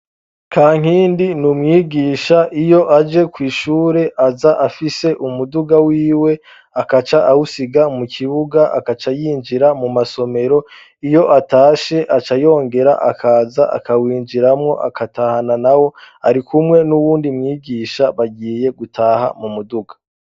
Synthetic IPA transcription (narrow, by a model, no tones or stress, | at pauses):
kʰaːŋ̥iːndinumŋiːɡiːʃaʔijo̞ʔad͡ʒe̞kwiːʃuːɾe̞ʔazaʔafise̞ʔumuduɡawiːwe̞ | akat͡ʃaʔawusiɡamukʰiβuɡaʔa̰kat͡ʃajiːnd͡ʒiɾamumaso̞me̞ɾo̞ | ijo̞ʔataːʃe̞ʔat͡ʃajo̞ːŋɡe̞ɾa̰ʔakʰaːzaʔa̰kʰawiːnd͡ʒiɾamŋo̞̰ʔa̰kʰatahananawo̞ | aɾikumŋe̞nuβuːndimŋiːɡiːʃaβaɟiːje̞ɡutʰaːha̰mumuduɡḁ